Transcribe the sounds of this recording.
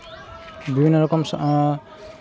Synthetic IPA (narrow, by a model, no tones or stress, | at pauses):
bibʱinːɔɾɔkɔmsʔ